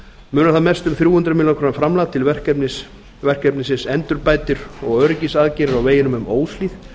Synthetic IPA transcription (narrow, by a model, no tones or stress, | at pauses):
mʏːnaθaðmɛ̥st̪ʏmθɾjuːhʏnt̪ɾʏmilakʰɾoːnamfɾamlat̪ʰːɪlvɛr̥ɛpnɪs | vɛr̥kɛpnɪsɪnsɛnt̪ʏɾpaːjt̪ɪɾɔɣœːɾʏcisaðcɪɾɪɾawveːjɪnʏmʏmoːwsliːθ